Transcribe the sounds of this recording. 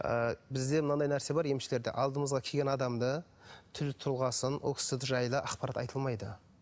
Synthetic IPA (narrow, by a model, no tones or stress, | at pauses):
ə̰bɪzd̪e̞mənɑd̪ɑjnæɾse̞bɑɾje̞mʃɪle̞ɾd̪e̞̰ʔɑlˠd̪əməzʁɑkʲʰeɡʲenɑd̪ɑmd̪ə | t̪ʰʏlt̪ʰʊlˠʁɑsənʔoksɪt̪ʒɑjlˠəʔɑqpɑɾɑt̪ɑ̰jt̪ʰəlˠmɑjd̪ə